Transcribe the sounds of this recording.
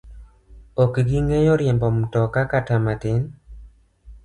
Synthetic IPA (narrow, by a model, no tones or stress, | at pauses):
okɡɪŋejɔɾjɛmbɔmtɔkakatamatɪn